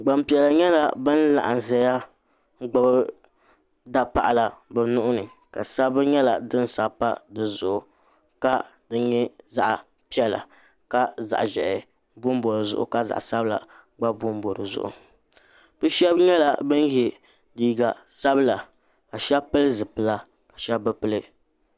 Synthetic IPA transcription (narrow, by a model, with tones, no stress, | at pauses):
ɡ͡ba˨mpi˨ɛ˨la˨ɲɛ˦la˨bɨ˦n˦la̰˨ʔa˨n˨zɛ˨ja˦ | ɡ͡bɨ˦b | da˦pa̰˨ʔla˨bɨ˨nʊ˦ʔʊ˦nɨ˨ | ka˨sa˦bɨ˦ɲɛ˦la˨dɨ˦n˦sa˨pa˦dɨ˨zʊ˨ʔʊ˨ | ka˦ | dɨ˦ɲɛ˦za̰˦ʔa˨ | pi˦ɛ˦la̰˨ | ka˦za̰˨ʔʒɛ˨ʔɪ˨ | bʊ˦m˦bo˨ɾɨ˨zʊ̰˦ʔʊ̰˨ka˦za̰˨ʔsa˦bɨ˦la̰˨ | ɡ͡ba˦bʊ˦m˦bo˨ɾɨ˨zʊ̰˦ʔʊ̰˨ | bɨ˦ʃɛ˦bɲɛ˦la˨bɨ˦n˦je˨ | diː˦ɡa˨sa˦bɨ˦la˨ | ka˨ʃɛ˦pɨ˦lɨ˦zɨ˨pɨ˨la˦ | ka˨ʃɛ˦bːɨ˦pɨ˦lɨ˦